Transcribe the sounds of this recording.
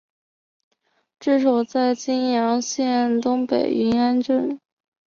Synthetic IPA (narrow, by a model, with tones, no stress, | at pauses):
ʈ͡ʂɻ̩˥˩ʂɑ˨˩ʊt͡sa˥˩ɪt͡ɕi˥njɑ˧˥ŋɕjɛ˥˩nt̪ʊ˥ŋpḛ˨˩ɪy˧˥na˥nʈ͡ʂə˥˩n